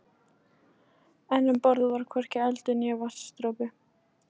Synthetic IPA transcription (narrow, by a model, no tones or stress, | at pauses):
ɛnːʏmpɔɾðʏvaɾ̥kʰvɛr̥cɪɛlt̪ʏnjɛːvasst̪ɾowpɪ